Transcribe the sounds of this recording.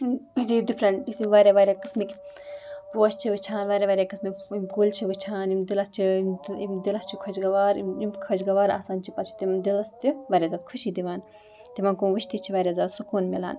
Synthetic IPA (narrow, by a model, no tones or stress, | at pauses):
id̪id̪ipʰɾɐnisiʋaːɾʲaʋaːɾʲakɨsmikʲ | poːʃt͡ʃʰiʋɨt͡ʃʰaːnʋaːɾʲeʋaːɾʲakɐsmikimkulʲt͡ʃʰiʋɨt͡ʃʰaːnimd̪ilɐst͡ʃʰimd̪ilɐst͡ʃʰikʰɐt͡ʃɡɐʋaːɾiimkʰɐt͡ʃɡɐʋaːɾa̰ːsaːnt͡ʃʰipɐt͡ʃʰi̥t̪imd̪ilɐst̪iʋaːɾʲaːzaːt̪kʰuʃiːd̪iʋaːn | t̪iʋɐnkuʋɨʃt̪it͡ʃʰiʋaːɾʲaːzaːt̪sukuːnmila̰ːn